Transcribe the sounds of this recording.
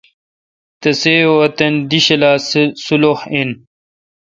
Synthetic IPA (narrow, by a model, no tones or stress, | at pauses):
t̪ɐseːoɐt̪ɐnd̪iɕɐlaːssulohen